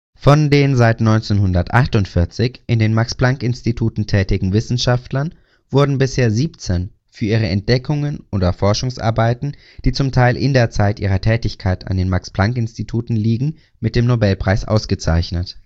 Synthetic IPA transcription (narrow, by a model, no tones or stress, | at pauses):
fɔndeːnzaɪtnɔʏnt͡senɦʊndɐtʔa̰χtʊntfɪɐt͡sɪçʔɪndeːnmaksplaŋkɪnstitʰuːtn̩tʰɛːtɪɡŋ̩vɪsn̩ʃaftlɐn | v̥ʊɐdn̩bɪsheːɐziːpt͡sɛn | fyːɐʔiːʁ̞əɛnt̚d̥ɛkʰʊŋənʔoːdɐfɔɐʃʊŋsʔa̰ɐbaɪtn̩ | d̥iːt͡sʊmtʰaɪlʔɪ̰ndeːɐt͡saɪtʔiːʁɐtʰɛːtɪçkʰaɪta̰ndeːnmaksplaŋkɪnstitʰuːtn̩liːɡŋ̩ | mɪt̚d̥eːmnobɛlpʁ̥aɪsʔa̰ʊsɡ̥ət͡sa̰ɪçnət